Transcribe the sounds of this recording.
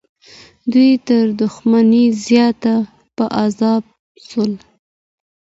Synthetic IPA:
d̪ujt̪əɾd̪ʊxmanizjɑt̪a | pəʔazɑb̚ | səl

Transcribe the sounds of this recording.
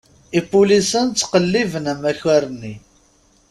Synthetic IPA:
ipːulisənt͡sːqəlːivənæmæçæɾənːi

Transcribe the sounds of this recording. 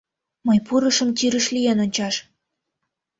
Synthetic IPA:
məjpuɾəʃə̆mt̪yɾəʃlijenonʲt͡ɕɑʃ

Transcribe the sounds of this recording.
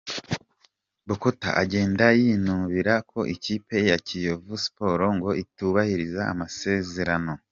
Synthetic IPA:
bukota̰ʔaɟe̞ːndajinuːβiɾakʰo̞ʔiciːpe̞jacijo̞vusi̥po̞ɾo̞ŋɡo̞ituβahiɾiza̰ːmase̞ːze̞ɾano̞

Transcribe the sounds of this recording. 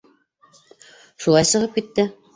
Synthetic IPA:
ʃulˠɑjsɤ̆ʁɤp̚kit̪ːɘ

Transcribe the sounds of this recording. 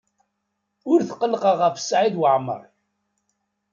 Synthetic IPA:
ʊɾθəqːəlqɑʁəfsʕiðwəʕmə̰ɾˤ

